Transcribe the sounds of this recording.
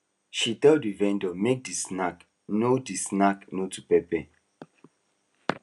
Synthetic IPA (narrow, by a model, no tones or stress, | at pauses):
ʃitɛldivɛ̃ndɔmek̚disnak | nodisnaknotupɛpɛ